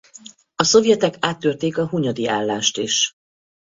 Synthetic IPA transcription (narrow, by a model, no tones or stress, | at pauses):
ɒso̞vjɛt̪ɛkaːt̪ːørt̪eːkɒɦuɲɒd̪iaːlːaːʃt̪iʃ